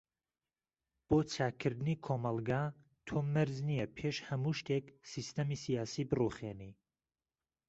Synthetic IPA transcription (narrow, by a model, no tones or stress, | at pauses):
b̥oːt͡sʰaːkʰɨɾd̪ɨnikʰoːmɑlˠɡa | t̪ʰomɨɾznijɛpʰeːʃhɐmuʃt̪ʰeksist̪ʰɐmisijaːsiːbɨruχeni